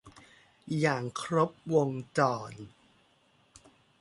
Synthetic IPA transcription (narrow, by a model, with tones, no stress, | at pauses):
jaː˨˩ŋkʰɾo˦˥p̚wo˧ŋt͡ɕɔː˨˩n